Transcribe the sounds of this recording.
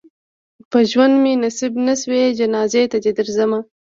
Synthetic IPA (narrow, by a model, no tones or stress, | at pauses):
pəʒwand̪menasibnaswed͡ʒanɑːzet̪ad̪ed̪əɾzama